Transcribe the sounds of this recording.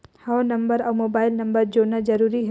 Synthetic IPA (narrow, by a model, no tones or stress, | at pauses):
hawnɐ̃mbəɾɔːmoːbaːɪlnɐ̃mbəɾd͡ʒoːnad͡ʒɐɾuːɾiɦɛ